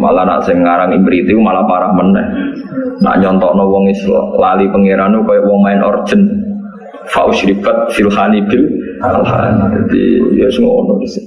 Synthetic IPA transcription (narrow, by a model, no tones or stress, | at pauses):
ma̰lana̰ʔsɪŋŋaɾaŋimbɾit̪iumalapaɾahmənəhna̰ʔɲɔnt̪ɔʔnɔwɔŋislalipəŋeɾanukɔjɔʔwɔŋmaɛnʔɔ̰r̥d͡ʒ̥ən | fa̰ʔuʃɾikat̪̚silhanib̥ɪla̰lha̰ndad̪ḭjɔsəŋɔnɔb̥is